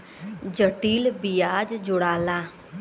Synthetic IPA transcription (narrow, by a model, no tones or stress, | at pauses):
d͡ʒəʈiːlbijaːd͡ʒd͡ʒʊɽaːlaː